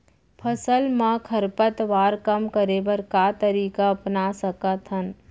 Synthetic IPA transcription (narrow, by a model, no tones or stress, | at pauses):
pʰəsəlmãkʰəɾpət̪ʋaːɾkəmkəɾeːbəɾkat̪əɾiːkaɐpnasəkət̪ɦən